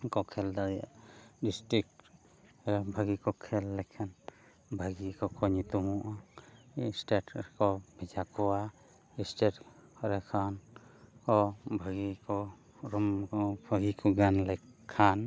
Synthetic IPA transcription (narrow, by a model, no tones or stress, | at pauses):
kɔkʰɛld̪aja̰ʔdisʈɾik̚ʈ | ɛbʱaɡikɔkʰɛlːɛkʰan | bʱaɡikɔkʰɔɲit̪umuʔa | sʈeʈkɔbʱid͡ʒakɔwa | isʈetɔɾɛkʰankɔbʱaɡikɔ | ɾɔmɔbʱaɡikʰɔɡanlakkʰːan